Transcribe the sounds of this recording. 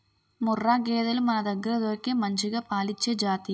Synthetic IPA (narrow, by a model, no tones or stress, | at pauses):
mʊrːaːɡeːðɐlmɐnɐd̪ɐɡɯɾɐðoːkːemɐɲd͡ʒɯɣɐpaːlɪt͡ʃːɐd͡ʒaːt̪i